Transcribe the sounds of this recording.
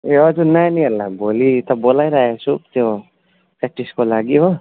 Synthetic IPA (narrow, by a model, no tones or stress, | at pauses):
eʌd͡zunaniɦʌlːabolit̪ʌbolajɾaɦesʰut̪jo | keʈiskolaɡiɦo